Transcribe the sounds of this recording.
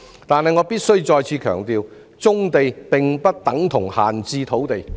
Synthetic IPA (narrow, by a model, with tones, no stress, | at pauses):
t̪aː˨˧nɦɐ˨jŋɔː˨˧piː˥t̚sɵ˥ɥt͡ʃɔː˧jt͡sʰiː˨˧kʰœː˨˩ŋt̪iː˨˧w | t͡sʊ˥ŋt̪e˨jpɪ˨ŋpɐ˥t̚t̪ɐ˨˥ŋt̪ʰʊ˨˩ŋha̰ː˨nt͡siː˧t̪ʰo˨˥wt̪e˨j